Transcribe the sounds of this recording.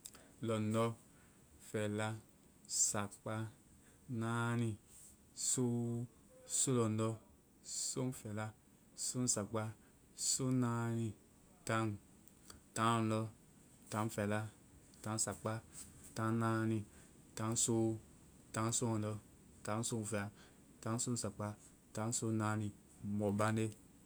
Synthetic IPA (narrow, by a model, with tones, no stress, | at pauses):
lɔ˨nɔ˦ | fɛ˨la˦ | sa˨k͡pa˦ | na˦ni˧ | so˦ | so˦lɔ˨nɔ˦ | so˦n˦fɛ˨la˦ | so˦n˦sa˨k͡pa˦ | so˦na˦ni˧ | ta˦ŋ | ta˨˦˨n˨lɔ˦ | tã˨˦n˦fɛ˨la˦ | ta˨˦n˦sa˨k͡pa˦ta˨˦na˧˦nĩ˧ | tã˨˦ŋ˦so˦ | tã˨˦ŋ˦so˦ɔ˨n˨ɔ˧˦ | tã˦ŋ˦so˦˨fe˨a˨ | tã˨˦ŋ˦so˦n̩˦sa˨k͡pa˦ | ta˨˦ŋ˦so˦na˧˦ni˨ | mɔ˨ba˦ne˦